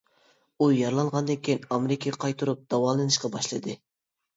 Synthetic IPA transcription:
ujɑɾlˠɑɴʁɑnd̪ɨŋkʲʰijnɑmeɾɪkʲʰeqʰɑjt̪ʰuɾup̚d̪̥ɑwɑlˠɨnɨʃqɑbɑʃlˠɨd̪ɨ

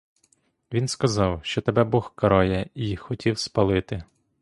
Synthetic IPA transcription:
ʋʲinskɐzɑwʃt͡ʃɔt̪ebɛbɔxkɐɾɔjɛixɔtʲiwspɐlˠɪt̪ɪ

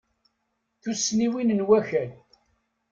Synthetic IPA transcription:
θusniwinənwæçæl

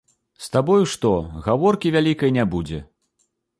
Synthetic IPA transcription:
st̪abɔjuʂt̪ɔɣavɔrkʲivʲalʲikɐjnʲabud͡zʲɛ

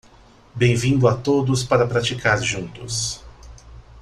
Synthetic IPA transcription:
bẽj̃vĩnd̪ʊat̪od̪ʊspaɾɐpɾat͡ʃikaɾʒũnt̪ʊs

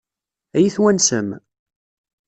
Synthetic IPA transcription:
æjiθwænsə̰m

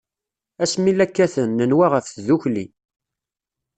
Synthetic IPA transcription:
æsmilækːæθənːənwaʁəfθðuçli

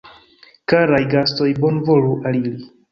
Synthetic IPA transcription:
kaɾajɡasto̞jbo̞nvo̞ɾuʔalili

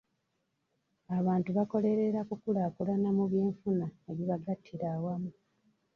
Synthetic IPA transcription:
aβaːntuβako̞le̞ɾe̞ɾakukulakulanamuβje̞ːɱfunaeβiβaɡatʰːiɾaːwamu

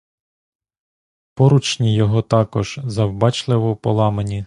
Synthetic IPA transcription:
pɔɾut͡ʃnʲijɔɦɔt̪ɑkɔʒ̥zɐwbɑt͡ʃlˠɪʋɔpɔlˠɑmenʲi

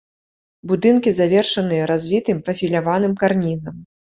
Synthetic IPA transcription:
bud̪ɨnkʲizavʲɛrʂɐnɨjɐɾazʲvʲit̪ɨmpɾɐfʲilʲavanɨmkarnʲizɐm

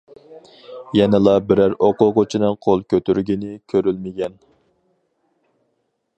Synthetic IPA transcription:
jɛnɪlˠɑbɪɾæɾoqʊʁʊt͡ʃʰinɨŋqʰolˠkʲøt̪yɾɡʲinɪkʲʰøɾylmɪɡʲɛn

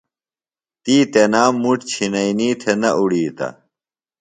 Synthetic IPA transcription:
t̪iːt̪enaːmːuʈt͡ɕʰinɐiniːt̪ʰenɐʔuɽiːt̪ɐ̰

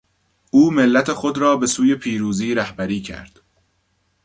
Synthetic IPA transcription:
ʔuːme̞lːæt̪ʰe̞xo̞d̪ɾɒːbe̞suːje̞pʰiːɾuːziːɾæhbæɾiːcʰæ̰ɾd̪̥

